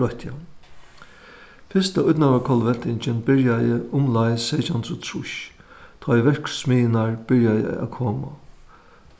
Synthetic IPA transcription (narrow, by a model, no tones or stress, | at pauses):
ɔht̪a | fɪst̪aʊt̪naʋakʰɔlʋɛnt̪ɪɲt͡ʃɪnbɪɹjajɪʔʊmlajsɛːt͡ʃant̪ʰʊt̪ʰɹʊʃ | t̪ʰɔjʋɛɹksmiːɪnaɹb̥ɪɹjajə̰æ̰kʰoːma̰